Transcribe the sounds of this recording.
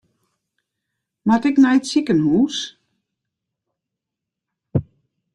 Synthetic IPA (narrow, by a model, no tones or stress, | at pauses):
matɪknɛjtsikənhuːs